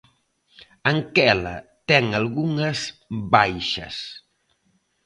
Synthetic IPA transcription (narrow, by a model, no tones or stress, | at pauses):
ɐŋkɛlɐ̰t̪ɛŋalɣuŋɐzbajʃɐ̰s